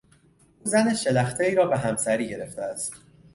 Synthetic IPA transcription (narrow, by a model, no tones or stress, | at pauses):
ʔuːzæneʃe̞læxt̪ʰeiːɾɒːbeɦæmsæɾiːɟe̞ɾe̞ft̪ʰeæst̪